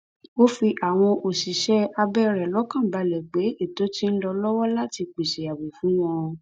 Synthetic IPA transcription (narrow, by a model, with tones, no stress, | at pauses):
o˦fi˧ʔa˨w̃ɔ̃˧ʔo˨si˨ʃɛ˦a˧bɛ˦˧ɾɛ˨lɔ˨˦kã˦˨ba˨˧lɛ˨ɡ͡be˨˦e˦˨to˨˦ti˦n̩˦lɔ˧lɔ˦wɔ˦la˦ti˧k͡pi˨ʃe˨a˨wi˨fũ˨˦j̃ã˦˧